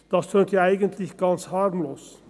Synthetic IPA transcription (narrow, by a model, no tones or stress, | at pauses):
d̥ɑstʰøːntjɑːæɪɡəntʰlɪçɡ̥ɑnshɑrmloːs